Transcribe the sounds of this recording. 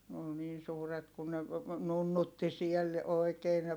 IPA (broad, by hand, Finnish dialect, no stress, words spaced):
n ol niːn̞ suːret kun ne nunːutːi siel oikeː ne